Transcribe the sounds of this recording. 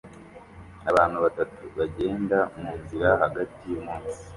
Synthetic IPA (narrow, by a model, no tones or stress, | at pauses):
aβaːnhuβatatuβaɟe̞ːndamuːnziɾaɦaɡatimuːnsi̥